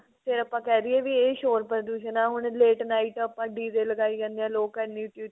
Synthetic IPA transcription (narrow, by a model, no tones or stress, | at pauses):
pʰɪɾəpːãːkɛːd̪iːɛːʋiːeːʃoːɾpɾəɾd̪uːʃənaːɦʊɳ̃leːʈnaːiːʈəpːãːɖiːd̪eːləɡaːiːkɛ̃ːnd̪eãːloːkːəniːʊʈ̪ːiː